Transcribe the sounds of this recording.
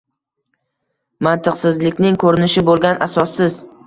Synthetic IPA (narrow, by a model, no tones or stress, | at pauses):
mant̪ʰɨqsɪzlɪkʲnɪŋkʰɵɾɪnɪʃɪbolˠɡʲanʔasɒsːɪz